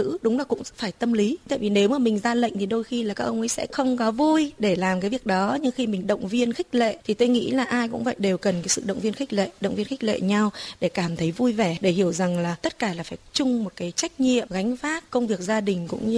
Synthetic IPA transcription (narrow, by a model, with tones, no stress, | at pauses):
ɨ̰˧˥ɗʊ˨˦ŋ͡mlaː˨˩kʊ̰˧˥ŋ͡mfaː˧˩jt̪ə˧mli˨˦t̪ʰa̰ː˧˨jvi˨˩ne˨˦wməː˧˩mï̟˨˩zaː˧lə̰˧˨ŋ̟t̪i˨˩ɗo˧jxi˧laː˨˩kaː˦˥k̚ʔə˧wŋ͡mʔə˨˦jsɛ̰˧˥xə˧wŋ͡mkɔ˨˦vu˧jɗe˧˩laː˨˩mkaː˨˦jvi˨˩əɗɔ˨˦ɲɨ˧ŋxi˧mï˨˩ŋ̟ɗə̰˧˨wŋ͡mvi˧ənxi˦˥k̟̚lḛ˧˨t̪ʰi˨˩t̪o˧jŋḭ˧˥laː˨˩ʔaː˧jkʊ̰˧˥ŋ͡mvə̰˧˨jɗe˨˩wkə˨˩nkaː˨˦jsɨ̰˧˨ɗə̰˧˨wŋ͡mvi˧ənxi˦˥k̟̚lḛ˧˨ɗə̰˧˨ŋ͡mvi˧ənxi˦˥k̟̚lḛ˧˨ɲa˧wɗe˧˩kaː˧˩mt̪ʰə˨˦jvu˧jvɛ˧˩ɗe˧˩hi˧˩əwza˨˩ŋlaː˨˩t̪ə˦˥t̚kaː˧˩laː˨˩faː˧˩t͡ɕʊ˧ŋ͡mmo˨˩t̚kaː˨˦jt͡ɕa˦˥jk̟̚ɲḭ˧˨əmɣa˨˦jŋ̟faː˦˥t̚kə˧wŋ͡mvi˨˩ək̚zaː˧ɗï˨˩ŋ̟kʊ̰˧˥ŋ͡mɲ˧